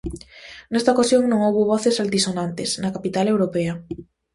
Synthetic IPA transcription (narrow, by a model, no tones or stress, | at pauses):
nɛst̪aokasjoŋnõŋowβoβɔθesalt̪isonant̪esnɐkapit̪alewɾopeɐ